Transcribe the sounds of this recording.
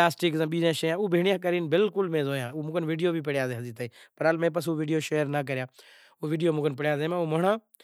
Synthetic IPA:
aːsʈikzãːɓiːzãːʃeːãːuːbʱiːɳɪjãːkəɾiːnbɪlkʊlmẽːzoːjãːuːmʊkənʋɪːɖijoːbʱipɪɽjaːzeːɦɐziːt̪əipɐɾalmẽːp̬əs̬uːʋiːɖijoːʃeːəɾnək̬əɾɪjaː | oːʋɪːɖijoːmʊkənpɪɽjaːzeːmãumɐɳãː

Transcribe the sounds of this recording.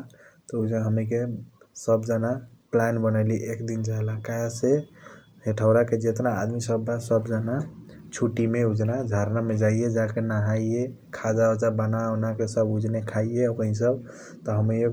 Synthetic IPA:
t̪ɔud͡ʒaɦəmike | səbd͡ʒanaplanbənaliʔekd̪ind͡ʒaelakaese | ɦeʈʰəʊɾaked͡ʒet̪na̰ːd̪misəbːasəbd͡ʒanat͡ʃʰuʈimeud͡ʒnad͡ʒʱaɾnamed͡ʒaijed͡ʒakenaɦaie | kʰad͡ʒaod͡ʒabanaonakesəbud͡ʒnekʰaieəpəɦis̬əb | t̪ɔɦəmio

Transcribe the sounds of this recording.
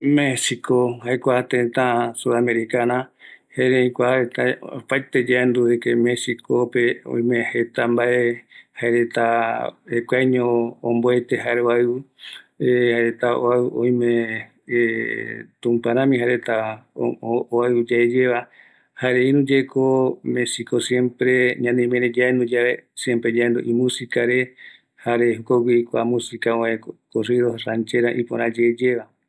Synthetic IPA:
mesikohɦajkʷat̪ẽt̪ãsuðameɾikanãheɾẽĩkʷaɾet̪apajt̪ed͡ʒaend̪uekemesikopeõ̰ĩmẽhet̪ambaʔehaeɾet̪aekʷajɲõːmboet̪eɦaɾeβaɨu | ehaeɾet̪ao̰aʔõ̰j̃mẽ | t̪ũmpãɾ̃ãmĩɦaɾet̪a | oaɨud͡ʒaed͡ʒeβa | haɾeinũd͡ʒekʰomesikosjẽmpɾeɲãnẽmẽɾed͡ʒaend̪od͡ʒaβesjempɾed͡ʒaend̪o̰ʔĩmũsikaɾe | haɾe̞hokowʷikʷamũsikaoẽkkoriɾohrãnt͡ʃeɾaʔipoɾãd͡ʒeed͡ʒeβa

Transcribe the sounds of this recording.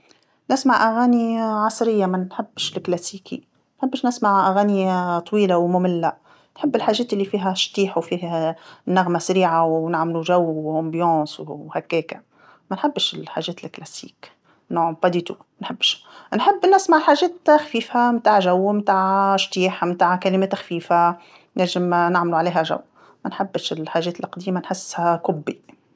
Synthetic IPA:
nɪsmaʕʔaɣaːniʕɑsˤɾɪjːamanħɪbːʃlklasiːkḭ | nħɪbːʃnɪsmaʕʔaɣaːnit̪ˤwiːlawmʊmɪlːa | nħɪbːɪlħaːʒeːt̪ɪlːifiːɦaʃt̪iːħwfiːhnːaɣmasaɾiːʕawnɪʕmluʒawːʔɑ̃mbjɑ̃ːswhakːeːka | mænħɪbːʃɪlħa̰ːʒɛːt̪ɪlklæsḭːk | nʊʕmbɑd̪iːt̪u | nħɪbːʃnħɪbːnɪsmaʕlħaːʒɛːt̪xfiːfamt̪aːʕʒawːmt̪aːʕʃt̪iːħmt̪aːʕkalɪmɛːt̪xfiːfa | nɪʒɪmnaʕmluʕaleːɦæʒa̰wː | mænħɪbːʃɪlħaːʒɛːt̪lʔqd̪iːmanħɪsːhakʊbːi

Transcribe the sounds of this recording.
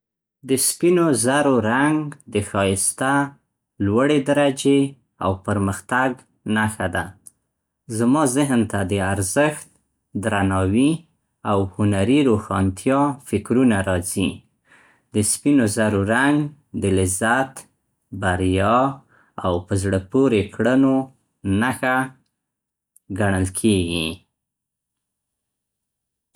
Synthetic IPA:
d̪əspinozaɾoɾaŋɡd̪əxɑjɪst̪a | lwaɽed̪aɾad͡ʒe | a̰wpəɾməxt̪aɡ | naxad̪a | zmɑzɪɦnt̪ad̪əaɾzəxt̪̚ | d̪ɾanɑwi | awhʊnaɾiɾoxɑnt̪ʰjɑfɪkɾunaɾɑzi | d̪əspinozaɾoɾaŋɡ | d̪əlɪzat̪ | baɾjɑ | awpəzɽəpoɾekɽəno | naxa | ɡaɳəlkʰeɡi

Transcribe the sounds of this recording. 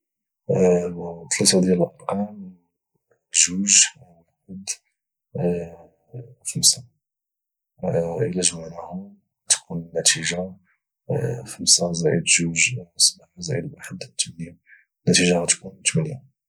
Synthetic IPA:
t̪ʰːlæt̪ad̪jæləlʔɑɾˤqɑm | ʒuʒ | ħəd̪ | xəmsa | ʔəlæʒmænahʊ | ɣæt̪kunnːæt̪iʒa | xəmsazæʕəd̪ʒuʒsˤnaħazæ̰ʕəd̪waħəd̪t̪ːmnja | nːæt̪iʒaɣæt̪kunt̪mənja

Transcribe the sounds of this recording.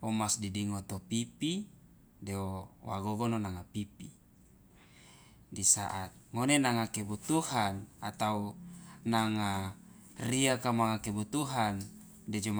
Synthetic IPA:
omasdidiŋot̪opipi | deowa̰ɡoɡononaŋapipi | disa̰ʔat̪̚ŋonenaŋakebut̪uhanat̪aunaŋa | riakamaŋakebut̪uɦan | ded͡ʒom

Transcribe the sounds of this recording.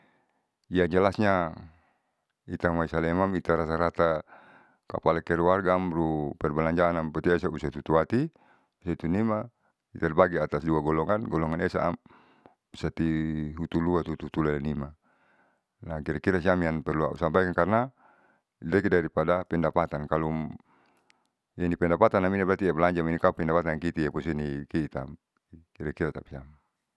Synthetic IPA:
ijaŋd͡ʒɛlasɲa | it̪amaisalɛmamit̪aɾasaɾat̪a | ka̰palakɛɾwarɡamɾupɛrbalaɲd͡ʒaːnampɛt̪iɛsausat̪ut̪uat̪i | usat̪unima | it̪arbaɡɛat̪asduaɡɔlɔŋanɡɔlɔŋanɛsa̰ːm | usat̪iɦut̪uluat̪ut̪uut̪ulaanima | nakiɾakiɾasiamianpɛrlua̰ṵsampajkankarna | d̪ɛkidaɾipadapɛndapat̪ankalu | janipɛndapat̪anaminabɾat̪iɛblaɲd͡ʒaminikaupɛndapat̪ankit̪ijapɔsɛnikiːt̪a̰m | kiɾakiɾat̪a̰piam

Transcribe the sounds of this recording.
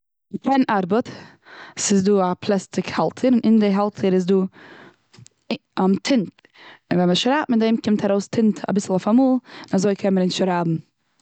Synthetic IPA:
kɛnʔaɾbət | sɪzduːapʰlˠɛstɪkhalˠtʰəɾɪnʔɪndɪɦalˠtʰəɾɪzduː | amtʰɪnt | ɪnvɛnməʃɾaːtm̩ɪdeɪmkɪmtʰaɾoʊstʰɪntʰa̰bɪsl̩ˠɔfamuːlˠɪnazoɪkʰɛnməɾɪnʃɾaːbm̩

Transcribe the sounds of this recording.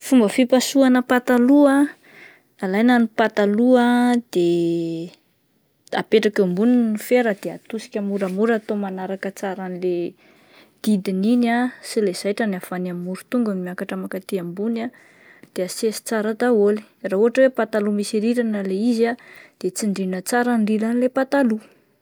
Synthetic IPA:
fumbəfipasuanəpat̪alua | alajnanipat̪aluad̪̥e | apeʈ͡ʂakambuninnifeɾəd̪eat̪usi̥kʲamuɾamuɾat̪omanaɾakət͡saɾanile | d̪̥id̪ininasilez̥ajʈ͡ʂanafanammːuɾut̪uŋɡanimiakaʈ͡ʂəmakat̪iambuna | d̪̥easesi̥t͡saɾat̪aoli̥rauɦaʈ͡ʂəwepat̪alumisiɾiɾanəleizad̪̥et͡siɳɖ͡ʐinət͡saɾanrilanilepat̪alu

